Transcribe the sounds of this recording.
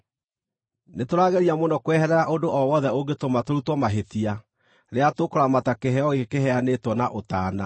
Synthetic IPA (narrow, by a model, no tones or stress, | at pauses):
netoɾaːɣɛɾiamonɔkwɛhɛɾɛɾaʔondoʔɔwɔðɛoɡetomatoɾutwɔmaɦetia | ɾeatokɔɾamatakeɦɛɔɣekeɦɛanetwɔnaʔotaːna